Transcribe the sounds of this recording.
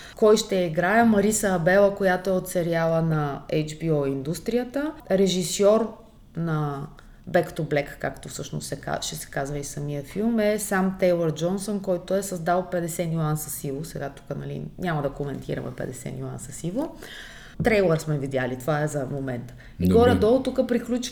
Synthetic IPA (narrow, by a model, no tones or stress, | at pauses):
kɔjʃt̪ɛiɡɾajəmɐɾisəːbɛlˠəkojat̪oɛot̪sɛɾialˠənɐɛjd͡ʒbioind̪ust̪ɾijət̪əɾɛʒisɔɾ | nɐ | bɛkt̪oblɛkːa̰kt̪ofsɤʃno̰sɛka̰ʃɛsɛ̥kazvəisɐmiəfilˠmɛsamt̪ɛjlˠəɾd͡ʒɔnsonkɔjt̪oɛsɐzd̪alˠpɛd̪ɛsɛnʲuansəsivosɛɡat̪u̥kənɐ̰lḭɲʲamɐd̪ɐkomɛnt̪ʰḭɾɐ̰mɛ̰pɛ̰d̪ɛsɛ̰nʲua̰nsɐsivo | t̪ɾɛjlˠɛɾsmɛvid̪ʲjalit̪ovaɛzɐmomɛnt̪ə̥ | iɡɡɔɾɛd̪ɔlˠt̪ukəpɾiklʲut͡ʃ